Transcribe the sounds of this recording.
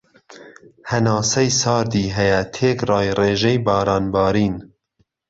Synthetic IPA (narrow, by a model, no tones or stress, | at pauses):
hɛnɑːsɛjsɑːɾd̪iːɦɛjɛt̪ʰeːkrɑːjreːʒɛjbɑːɾɑːnbɑːɾiːn